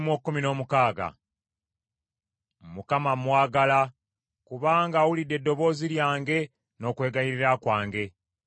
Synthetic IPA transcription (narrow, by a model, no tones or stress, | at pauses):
mwokːumino̞ːmukaːɡa̰ | mukamamwaːɡala | kuβaːŋɡaːwulidːe̞dːo̞βo̞ːziɾjaːŋɡe̞ | no̞ːkweːɡajiɾiɾakwaːŋɡe̞